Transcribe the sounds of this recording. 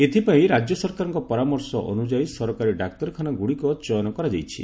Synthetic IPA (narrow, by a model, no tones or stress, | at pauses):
et̪ʰipaĩɾad͡ʒjɔsɔɾkaɾɔŋkɔpɔɾamɔɾsɔʔɔ̰nud͡ʒaisɔɾɔkaɾiɖak̚t̪ɔɾɔkʰanaɡuɽikɔt͡ʃɔjɔnɔkɔɾad͡ʒajt͡ʃʰḭ